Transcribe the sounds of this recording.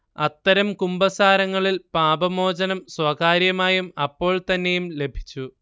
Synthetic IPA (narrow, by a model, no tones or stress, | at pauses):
ɐt̪ːɐɾɐmkumbɐsaːɾɐŋːɐɭilpaːbɐmo̞ːd͡ʑɐnɐmswɐkaːɾjɐmaːjumɐpːo̞ːɭt̪ɐnːe̞jumle̞bʱi̥t͡ɕːu